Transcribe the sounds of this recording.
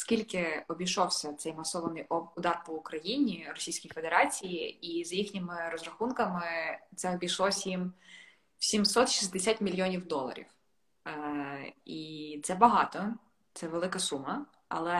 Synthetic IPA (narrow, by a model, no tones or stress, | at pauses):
skʲilʲkɪɔbʲiʃɔwsʲɐt̪sɛjmɐsɔʋɐnɪjʊd̪ɑrpɔʊkɾɐjinʲirɔsʲijsʲkijfed̪eɾɑt͡sʲijiizjixnʲɪmɪɾɔzɾɐxunkɐmɪt̪sɛɔbʲiʃlˠɔsʲjim | sʲimsɔt̪ʃizʲd̪esʲat̪ʲmʲilʲjɔnʲiwd̪ɔlˠɐ̰ɾʲḭw | it̪sɛbɐɦɑt̪ɔ | t̪sɛʋelˠɪkɐsumɐ | ɐ̰lˠɛ